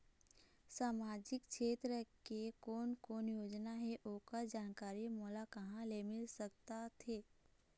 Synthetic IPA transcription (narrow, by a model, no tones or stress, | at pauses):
saːmaːd͡ʒɪkʃʰeːt̪ɾəkekoːnkoːnjoːd͡ʒnaɦɛʔoːkad͡ʒaːnkaːɾimɔːlakɐɦãlemɪlsɐk̚t̪at̪ʰeː